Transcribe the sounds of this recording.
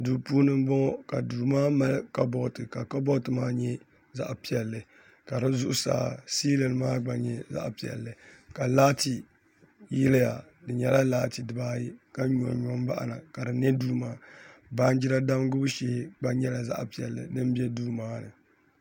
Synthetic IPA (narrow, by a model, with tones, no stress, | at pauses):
duː˨puː˦nɨ˦m˦bɔ˦ŋɔ˦ka̰˨duː˨maː˦ma˦lka˦bɔ˦˨tɨ˨ka˨ka˦bɔ˦tɨ˨maː˦ɲɛ˦ | za̰˦ʔpi˦ɛ˨lːɨ˨ | ka˨ɾɨ˦zʊ˦ʔʊ˦sa̰ː˨siː˦lɨ˨lmaː˦ɡ͡ba˨ɲɛ˨za̰˦ʔpi˨ɛ̰˨lːɨ˨ka˨laː˦ti˨ | jɪ˦lɨ˦ja̰˨ | dɨ˨ɲɛ˦la˦laː˦ti˨dɨ˨baː˦ji˦ka˦ɲɔ̰˨ɲɔ˨m˦ba̰˦ʔa̰˨na̰˨ka˨ɾɨ˨nɛ˦duː˦maː˦ba˦n˦d͡ʒi˦ɾa˦da˦m˦ɡʊ˦bʃeː˦ɡ͡ba˦ɲɛ˦la˨za̰˦ʔpi˨ɛ̰˨lːɨ̰˨nɨ˦m˦bi˦ɛ˦duː˦maː˦nɨ˨